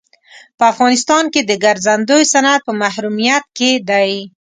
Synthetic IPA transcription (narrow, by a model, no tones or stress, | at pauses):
pəafɣɑnɪst̪ɑnked̪əɡaɾzand̪ojsanad̪̚pəmahɾumijat̪̚ked̪aj